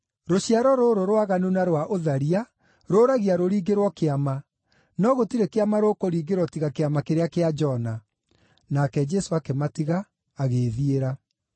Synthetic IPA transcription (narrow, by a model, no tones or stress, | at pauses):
ɾoɕiaɾɔɾoɾoɾwaɣanunaɾwaʔoðaɾia | ɾoːɾaɣiaɾoɾiːɡeɾwɔkeama | nɔɣotiɾekeamaɾokoɾiːɡeɾwɔtiɣakeamakeɾeakead͡ʒɔna | nakɛd͡ʒɛsoakematiɣaː | ɣeðieɾa